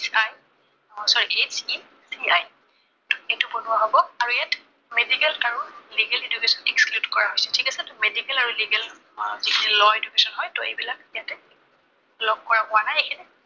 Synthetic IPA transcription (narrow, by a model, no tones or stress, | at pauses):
saj | ɔsɔɹiʔet͡ʃi | siaj | tʊ̥ejtʊbonʊwaɦobɔaɹuijat | medikɛlkaɹɔliɡɛledukesɔnɛkskludkɔɹaɦojsɛtʰikasɛtʊmedikɛlaɹuliɡɛl | zikʰinilɔedukesɔnɦɔjtɔḛbilak̚ijatɛ | lɔɡ̚kɔɹapʊanajekʰinɛ